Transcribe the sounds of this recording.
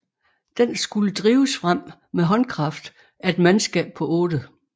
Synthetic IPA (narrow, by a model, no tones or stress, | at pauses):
d̥ensɡ̥uləd̥ʁiːʊsfʁam̰ | meɦɒ̽nkʰʁɑ̈fd̥ | æe̝d̥mænsɡ̥ɛ̰ːb̥̚pʰɒ̽ʔɔ̽ːd̥ə